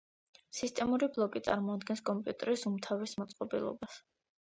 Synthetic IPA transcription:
sist̪ʼɛmuɾiblˠɔkʼit̪sʼa̰ɾmɔad̪ɡɛnskʼɔmpʼjut̪ʼɛɾisumt̪ʰavismɔt̪sʼqʼɔbilˠɔ̰bas

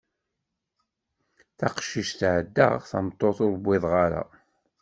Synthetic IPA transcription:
θaqʃiʃθʕəd̪ːə̰ʁθæ̰mt̪ˤːoθʊɾˤbːɪðˤʁaɾa̰

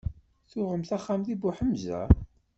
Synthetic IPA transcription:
θʊʁəmθaχːamðibʊħəmzæ̰

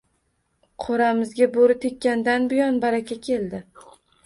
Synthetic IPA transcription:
qʰoɾamɪzɡʲaboɾɪt̪ʰekʲʰːand̪anbɪjɒnbaɾakʲakʲʰe̞ld̪ɪ

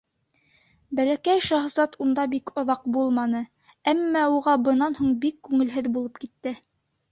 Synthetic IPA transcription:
bælækæjʃɑχzɑt̪und̪ɑbikŏðɑqbulˠmɑnɤ | æmːɑuʁɑbɤ̆nɑnhuɴbikːʉŋɘ̆lɦɘðbulˠɤp̚kit̪ːɘ

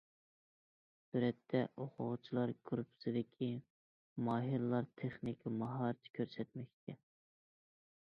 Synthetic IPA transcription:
suɾɛt̪ʰːɛʔoqʰʊʁʊt͡ʃʰilˠɑɾɡ̥ɾupʰɪ̥sɪd̪ɪkʲʰi | mɑːɦiɾɨlˠɑɾt̪ʰeχnɪkʲmɑɦɑɾɨt̪ʰɪ̥kʲʰøɾsɛt̪̚mɛkʲt͡ʃʰɪ

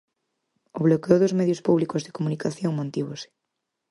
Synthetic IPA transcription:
oβ̞lokeoðʊzmeðjospuβlikozðekomunikaθjoŋmõnt̪iβosɪ̥

